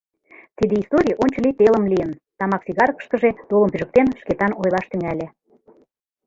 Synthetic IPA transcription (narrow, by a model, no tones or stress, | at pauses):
t̪id̪eist̪oɾʲijʔonʲt͡ɕə̆lʲit̪elə̆mlijənt̪ɑmɑksiɣɑɾkə̥̆ʃt̪ə̆ʒed̪̥olə̆mpyʒə̆k̚t̪enʃket̪ɑnojlɑʃt̪yŋælʲe